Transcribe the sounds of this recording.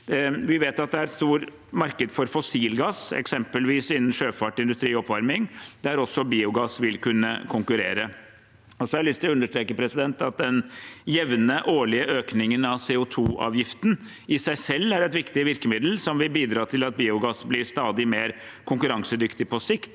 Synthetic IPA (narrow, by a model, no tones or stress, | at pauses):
ʋɪʋeːt̪ɑt̪̚d̪ɛæɾst̪uːɾ | mɑɾkəd̪fɔɾfɔsiːlɡɑsɛ̰ksɛmpəlʋiːsɪnn̩ʂøːfɑʈɪnd̪ʉst̪ɾiːɔpːʋɑɾmɪŋd̪æɾɔsːɔbiːʊɡɑsʋɪlkʰʉnːə̰kʰʊŋkʉɾeːɾə | ɔsɔɑɾɪlʏst̪ʰɪlɔʉnd̪əʂʈ̪ɾeːkəpʰɾɛsɪd̪ɛnt̪ɑt̪̚d̪ɛnjɛʋnəʔoːɭɪəʔøːknɪŋənɑʋseːʊt̪ʰuːʔɑ̰ːʋjɪft̪n̩ | ɪsæɪsɛlːæɾɛt̪ʋɪkt̪ɪʋɪɾkəmɪd̪l̩sɔmʋɪlbiːd̪ɾɑːt̪ʰɪlɑt̪̚biːʊɡɑsblɪɾst̪ɑːd̪ɪmeːɾkʰʊŋkʉɾɑŋsəd̪ʏkt̪ɪpʰɔsɪkt̪